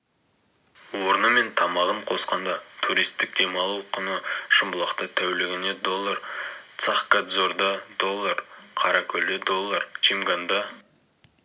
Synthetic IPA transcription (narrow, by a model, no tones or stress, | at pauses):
woɾənəme̞nt̪ʰɑmɑʁəɴqʰo̞sqɑnd̪ɑt̪ʰuɾijst̪ːɪk̚d̪̥e̞mɑlˠuqːənəʃəmbəlˠɑqt̪ət̪ʰæwlɪɡʲɪne̞d̪o̞lˠːɑɾt̪sɑχkad̪zo̞ɾd̪ɑd̪o̞lˠːaɾqʰɑɾɑkʲʰɵld̪ed̪o̞lˠːaɾt͡ʃʰimɡand̪ɑ